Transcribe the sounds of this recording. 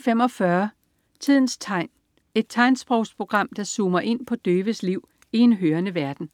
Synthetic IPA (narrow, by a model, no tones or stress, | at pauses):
fem̰ɒ̽fɶːɐ | t͡sʰið̞̰ˠn̩sʰ | e̝d̥̚t͡sʰɑ̈ɪnsb̥ʁɔʊ̰spʰʁo̝ɡ̥ʁɑ̈m̰d̥ɑ̈suːmɐʔe̝n̰pʰɒ̽d̥øːʋəsliʊ̰ | ie̝nɦøːɐnəʋæɐd̥n̩